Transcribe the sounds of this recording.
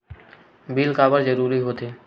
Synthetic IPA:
biːlkaːbəɾzəɾuːɾiɦoːt̪eː

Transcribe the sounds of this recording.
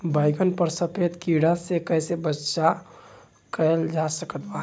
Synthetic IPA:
bəɪɡənpəɾsəpʰed̪kiɽasekəɦsebətːʃa | kəld͡ʒasəkət̪ba

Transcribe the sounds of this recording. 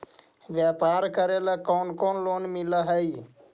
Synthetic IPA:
ʋjapaɾkəɾeləkonkonlonmiləɦəj

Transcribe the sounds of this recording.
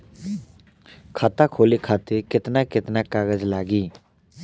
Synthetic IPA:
kʰaːt̪akʰoːlikʰaːt̪ekɪt̪nakɪt̪nakaːɡəd͡ʒlaːɡiː

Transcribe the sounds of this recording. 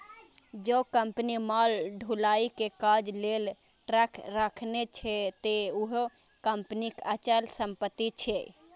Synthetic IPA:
d͡ʒokəmpnimalɖʱulaikekad͡ʒlel | ʈɾakʰɾakʰnet͡ʃʰɛt̪euɦo | kəmpnikat͡ʃəlsəmpət̪ːit͡ʃʰɛ

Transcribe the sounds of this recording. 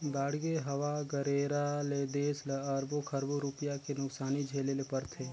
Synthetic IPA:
d̪aːɽɡeɦɐʋaɡəɾeːɾaled̪eːsləɐɾbokʰəɾboɾuːpijakenʊksaːnid͡ʒʱeːlelepəɾt̪ʰeː

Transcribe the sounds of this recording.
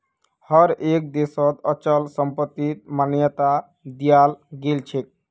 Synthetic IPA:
hɔɾek̚d̪esɔt̪ɔt͡ʃəlsəmpət̪ːit̪̚manjət̪a | d̪ijalɡelt͡ʃʰek̚

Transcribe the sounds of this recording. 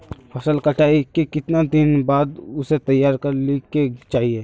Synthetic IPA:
pʰɐsəlkəʈʰaːikekɪt̪nad̪ɪnbaːd̪ʊset̪ɐjːaːɾkəɾliket͡ʃaːɦieː

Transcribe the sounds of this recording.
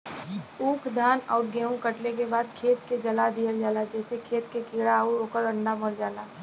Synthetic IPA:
uːkʰd̪ʱaːna̰ːʊɾɡɛːũkəʈlek̬ebaːd̪̚kʰeːt̪ked͡ʒɐlad̪ijəld͡ʒaːlad͡ʒɛːsekʰeːt̪kekiːɽaʊɾoːkəɾə̃ɳɖaməɾd͡ʒaːlaː

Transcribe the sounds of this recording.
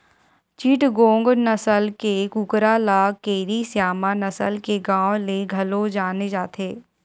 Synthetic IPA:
t͡ʃiʈɡõːŋɡnɐsəlkekʊkɾalaːkeːɾisjaːmanɐsəlkeɡãːwleɡʱɐlod͡ʒaːned͡ʒaːt̪ʰeː

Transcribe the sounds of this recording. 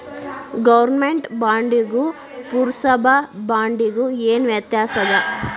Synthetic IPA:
ɡɐʋɐɾnmeɳʈbaːɳɖiɡu | puɾusɐbʱɐbaːɳɖiɡueːnʋjɐt̪jaːsɐd̪ɐ

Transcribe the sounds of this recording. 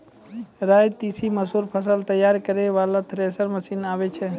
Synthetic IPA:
ɾaːjt̪isiməsɦuːɾpʰəsəlt̪əjːaːɾkəɾeʋaːlat̪ʰɾesəɾməsiːnaːʋet͡ʃʰe

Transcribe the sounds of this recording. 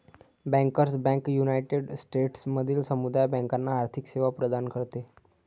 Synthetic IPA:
bɛ̃ŋkəɾsbɛ̃ŋkjunajʈeɖsʈeʈsməd̪ʱiːlsəmud̪ajbɛ̃ŋkanːaːɾt̪ʰikseʋapɾəd̪ankəɾt̪e

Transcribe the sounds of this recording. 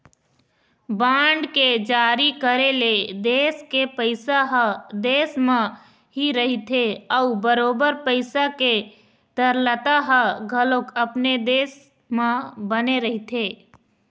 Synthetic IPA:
baːɳɖked͡ʒaːɾikəɾeled̪eːskepəɪsaɦd̪eːsmẽ | ɦiɾəɦit̪ʰeɔubəɾoːbəɾpəɪsake | t̪əɾlət̪aɦəɡʱəlokəpned̪eːs | mẽbəneɾəɦit̪ʰeː

